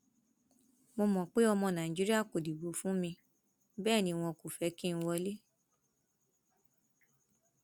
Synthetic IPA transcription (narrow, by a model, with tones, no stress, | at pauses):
mo˧mɔ̃˨k͡pe˨˦ɔ˧mɔ̃˧nã˨ĩ˨d͡ʒi˦ɾi˦a˦˨ko˨di˨bo˨˦fũ˦mĩ˧ | bɛː˦˨nĩ˧˦w̃ɔ̃˧ko˨fɛ˨˦kĩ˦˧ñ̩˧wɔ˧le˦